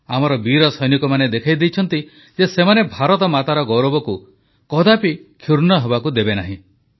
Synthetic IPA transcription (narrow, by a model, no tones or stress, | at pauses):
amɔɾɔbiɾɔsɔjnikɔmaned̪ekʰajd̪ejt͡ʃʰɔnt̪i | d͡ʒesemanebʱaɾɔt̪ɔmat̪aɾɔɡɔwɾɔbɔku | kɔd̪apikʰuɾnɔɦebakud̪ebena̰ɦḭ̃